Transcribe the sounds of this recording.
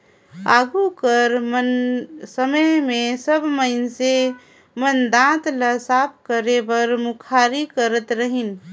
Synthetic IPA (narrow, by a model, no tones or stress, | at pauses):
aɡukəɾmənsəməjmesəbməɪnse | mənd̪ãt̪ləsap̚ʰkəɾebəɾmukʰaɾikəɾət̪ɾəɦin